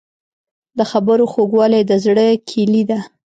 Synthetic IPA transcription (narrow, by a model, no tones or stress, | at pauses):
d̪əxabəɾoxoɡwɑlajd̪əzɽəkʰilid̪a